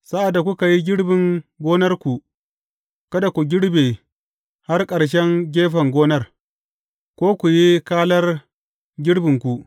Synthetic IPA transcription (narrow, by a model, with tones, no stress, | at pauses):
sa˦ʔa˨dːa˨kʷu˦ka˨ji˦ɡʲɪ˦ɽbɪ˨ŋɡʷoː˦nɐ˦rkʷu˨ | kɐ˦da˨kʷu˨ɡʲɪ˦ɽbeː˨ | ha˦rkʼɐ˨ɽʃ̬ɛ˦ŋɡʲeː˦ɸɐ˨ŋɡʷoː˦nɐ˦r | kʷoː˦kʷu˨ji˦kaː˦lɐ˦r | ɡʲɪ˦ɽbɪ˨ŋkʷu˨ʔ